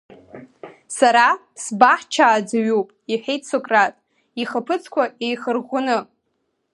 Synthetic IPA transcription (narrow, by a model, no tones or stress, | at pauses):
saɾa | sbaħt͡ʃʰaːd͡zaɥupʼiħʲejtʰʼsokʼratʼ | iχapʰɨt͡sʰkʷʰaejχərʁʷʊnɨ